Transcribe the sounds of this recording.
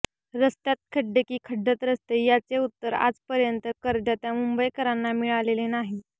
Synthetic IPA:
ɾəst̪jat̪̚kʰəɖekiːkʰəɖːət̪ɾəst̪ejat͡seut̪ːəɾa̰d͡zpəɾjənt̪əkəɾd̪jat̪jamumbəjkəɾanːamiɭalelenaɦi

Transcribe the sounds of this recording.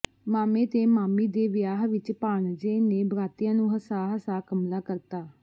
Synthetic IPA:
maːmẽːt̪eːmaːmiːd̪eːʋɪjaːɦʋɪt͡ʃpaːɳd͡ʒeːneːbəɾaːt̪ɪjãːnũːɦəsaːɦəsaːkəmlaːkəɾt̪aː

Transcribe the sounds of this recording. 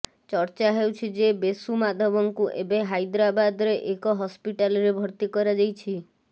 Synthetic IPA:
t͡ʃɔɾt͡ʃaɦewt͡ʃʰid͡ʒebesumad̪ʱɔbɔŋkuʔebeɦajd̪ɾabad̪ɔɾeʔekɔɦɔspiʈalɾebʱɔɾt̪ikɔɾad͡ʒajt͡ʃʰi

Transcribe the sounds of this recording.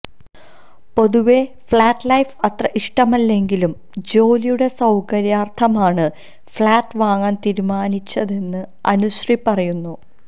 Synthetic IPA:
po̞ðuʋe̞ | fɭaːʈːlɐjfɐt̪rɐʔiʂʈɐmɐlːe̞ŋɡilum | d͡ʑo̞ːlijuɽe̞sɐwkɐɾjaːrt̪ʰɐmaːɳɨ | fɭaːʈːɨʋaːŋaːnt̪iɾumaːnit͡ɕːɐðe̞nːɨɐnuɕripːɐrɐjunːu

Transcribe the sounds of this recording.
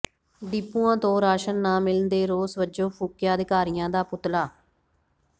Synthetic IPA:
ɖiːpːuːãːt̪õːɾaːʃənːãːmɪlənd̪eːɾoːsʋəd͡ʒõːpʰuːkjaːəd̪ɪkaːɾɪjãːd̪aːpʊt̪laː

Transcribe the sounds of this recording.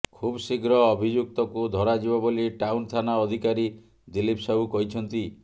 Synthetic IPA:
kʰubsiɡɾɔːbʱid͡ʒuk̚t̪ɔkud̪ʱɔɾad͡ʒibɔboliʈawnt̪ʰanaɔd̪ʱikaɾi | d̪ilipsaɦukɔɦit͡ʃʰɔnt̪i

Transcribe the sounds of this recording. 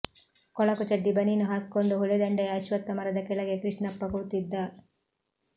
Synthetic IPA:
kɔɭɐkut͡ʃɐɖːibɐninuɦaːkikoɳɖuɦuɭed̪ɐɳɖeɐːʃʋɐt̪ːɐmɐɾɐd̪ɐkɛɭɐɡekɾiʂɳɐpːɐkuɾt̪id̪ːɐ

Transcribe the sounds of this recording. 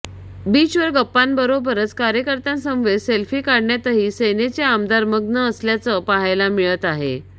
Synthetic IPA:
biːt͡ɕʋəɾɡəpːanbəɾobəɾət͡skaɾjəkəɾt̪ansəmʋeselfiːkaɽɳjat̪əɦiːsenet͡seamd̪aɾməɡnəːsljat͡səpaɦajlamiɭət̪aɦḛ

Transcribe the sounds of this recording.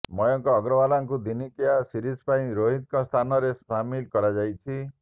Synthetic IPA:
mɔjɔŋkɔːɡɾɔbalaŋkud̪inikiasiɾispaĩɾoɦit̪̚kɔst̪ʰanɔɾesamilkɔɾad͡ʒajt͡ʃʰi

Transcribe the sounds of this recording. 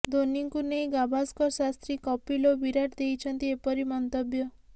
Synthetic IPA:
d̪oniŋkunej̃ɡabʱaskɔɾsast̪ɾikɔpilobiɾaʈd̪ejt͡ʃʰɔnt̪iepɔɾimɔnt̪ɔbjɔ

